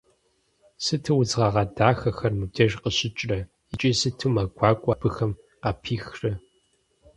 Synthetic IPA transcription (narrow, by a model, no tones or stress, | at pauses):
sɨtʰɨwʊzʁɐʁɐdaːxɐxɐrmɨb̚dʰɐʒqəɕʼɪt͡ʃʼrɐ | it͡ʃʼisɨtʰɨmaɡʷaːkʷʼɐb̥ɨxɐm | qɐpʰiːxrɐ